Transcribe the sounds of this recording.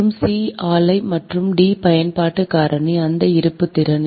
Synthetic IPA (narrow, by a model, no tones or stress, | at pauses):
ɯmsiːaːlɐɪmɐʈrɯmɖiːpɐjɐnpaːʈːɯkaːɾɐɳiɐnd̪ɐɪɾɯpːɯt̪ːɪɾɐn